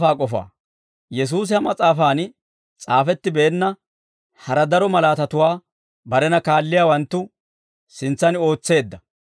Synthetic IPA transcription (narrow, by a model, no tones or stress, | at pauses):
aːkʼɔfa̰ː | jɛs̬uːs̬ɪhɐmɐt͡sʼaːfaːn | t͡sʼaːfɛt̪ːɪbeːnːɐ | hɐɾɐd̪ɐɾɔmɐlaːt̪ɐt̪ʊwaː | bɐɾɛnɐkaːlːɪjaːwɐnt̪ːʊ | sɪnt͡sːɐno̞ːt͡sːe̞ːd̪ːɐ